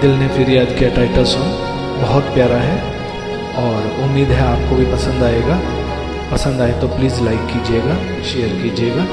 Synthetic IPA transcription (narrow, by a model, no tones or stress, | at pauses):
d̪ɪlnefʰɪɾiaːd͡ʒkeɛʈaːɪʈəɾsõ | bɐɦʊt̪pjaːɾaɦɛ | ɔːɾ | ʊmːiːd̪ɦɛaːp̚kobʱipɐsə̃nd̪aːeːɡaː | pɐsə̃nd̪aːet̪opliːzlaɪkːiːd͡ʒieːɡaː | ʃeːəɾkiːd͡ʒieːɡaː